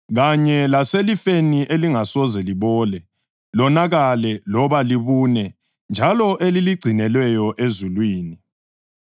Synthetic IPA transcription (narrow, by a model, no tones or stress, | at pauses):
ɣaɲɛlaselifeniʔeliŋasɔzɛliβɔːlɛ | lɔnaɣalɛlɔβaliβunɛ | nd͡ʒʱalɔʔeliliɡ͡ǀʱinɛlwɛjɔʔezulwiːni